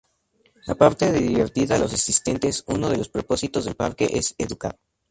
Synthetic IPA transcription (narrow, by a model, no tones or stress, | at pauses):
lapaɾt̪eðiðiβeɾt̪iðalo̞sasist̪e̞nt̪e̞suno̞ð̞e̞lo̞spɾopo̞sit̪o̞zðe̞lpa̰ɾke̞̰ʔeseðuka̰ð